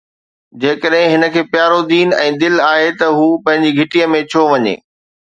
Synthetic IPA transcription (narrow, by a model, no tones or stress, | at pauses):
d͡ʑeːkəɗɦɪ̃ɦɪnə̆kʰeːpjaːɾod̪iːnɛ̰̃ːd̪ɪlaːɦet̪ɐɦuːpɐ̃ɦɪ̃ɲd͡ʑiɡʱɪʈijəmẽt͡ɕʰoʋɐɲḛː